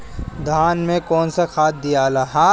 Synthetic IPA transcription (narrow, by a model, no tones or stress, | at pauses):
d̪ʱaːnmẽkɔːnsakʰaːt̪̚ʰd̪ijaːlaɦaː